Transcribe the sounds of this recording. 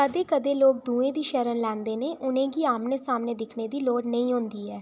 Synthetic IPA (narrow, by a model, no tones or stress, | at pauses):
əd̪eːkəd̪eːloːɡ̚d̪ũːẽːd̪iːʃəɾənlɛ̃ːnd̪eːneːʔʊnẽːɡiːaːmneːsaːmneːd̪ɪkʰneːd̪iːloːɽnəĩːɦʊ̃nd̪iːɦɛː